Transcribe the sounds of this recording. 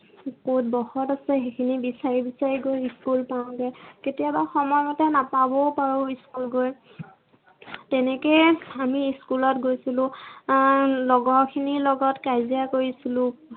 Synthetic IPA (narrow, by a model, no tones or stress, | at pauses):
kot̚bɔxɔtasɛxekʰinibisaɹibisaɹiɡojiskulpaʊ̃dɛketijabaxɔmɔjmɔtɛnapabɔpaɹʊiskulɡoj | tɛnɛkɛjamiiskulɔtɡojsilʊ̃ | lɔɡɔɹkʰinilɔɡɔtkajzijakoɹisilʊ̃